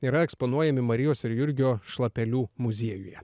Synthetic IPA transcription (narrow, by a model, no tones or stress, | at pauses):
iːɾɐɛkspɔnuɔjɛmʲɪmɐɾʲɪjoːsɪɾjʊɾʲɡʲɪoːʃlˠɐpʲɛlʲuːmʊzʲiɛjʊjɛ̰